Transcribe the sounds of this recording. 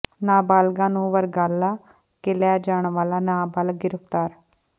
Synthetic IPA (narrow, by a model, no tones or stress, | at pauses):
naːbaːlɡãːnũːʋəɾɡaːlːaː | kɪlaːd͡ʒaːɳʋaːlaːnaːbaːlɡɪɾəpt̪aːɾ